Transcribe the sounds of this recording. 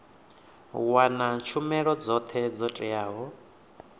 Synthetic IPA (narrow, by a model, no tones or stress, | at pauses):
wanat͡ʃʰumɛɺɔd͡zɔt̪ʰɛd͡zɔtʼɛjaːɦɔ